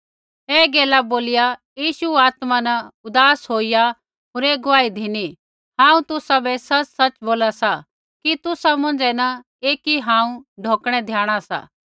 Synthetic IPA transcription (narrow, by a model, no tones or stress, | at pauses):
ɦeːɡeːlaboːlɪjajiːʃuaːt̪manɐʊd̪aːsɦoːija | ɦoːɾeɡʊʋaːid̪ʱini | hãːũt̪ʊsabɛsɐt͡ʃsɐt͡ʃboːlasa | kit̪ʊsamʊ̃nd͡ʒɛnɐ | eːkiɦãːũɖʱoːkɽ̃ɛd̪ʱjaːɽ̃asa̰ː